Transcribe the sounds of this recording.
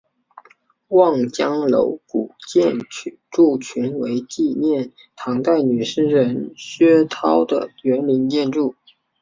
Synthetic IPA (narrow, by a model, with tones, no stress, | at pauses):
wɑ˥˩ŋt͡ɕjɑ˥ŋlo̰˧˥ʊku˨˩t͡ɕjɛ˥˧n˥ | ʈ͡ʂu˥˩t͡ɕʰy˧˥nwe˧˥ɪt͡ɕi˥˧njɛ˥˩n | t̪ʰɑ˧˥ŋt̪a˥˩ɪny˨˩ʂɻ̩˥˩ɻə˧˥nɕɥɛ˥t̪ʰɑ˥ʊd̪ə̰˨ɥɛ˧˥nmi˧˥nt͡ɕjɛ˥˧nʈ͡ʂu˥˩